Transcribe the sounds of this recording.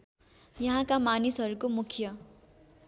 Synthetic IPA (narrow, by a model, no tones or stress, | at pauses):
jʌɦãkamanisɦʌɾukomukʰjʌ